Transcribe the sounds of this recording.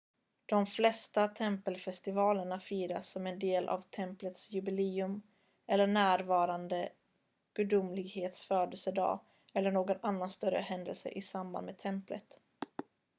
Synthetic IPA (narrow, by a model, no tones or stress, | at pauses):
d̪̥ɔmflɛst̪at̪ʰɛmpəlfɛst̪ɪvɑːləɳafiːɾa̰sːɔmɛnd̪eːlʔa̰vt̪ʰɛmplət̪sjɵbɪleːɵm | ɛlːəɳæːɾvɑːɾand̪ə | ɡ̥ɵd̪ʊmlɪɡheːt̪sfœːd̪əlsəɖɑ̰ː | ɛlːəɳoːɡɔnanːanst̪œɾə̰ɦɛnd̪ə̰lsə̰ʔɪsamba̰nd̪meːt̪ʰɛmplət̪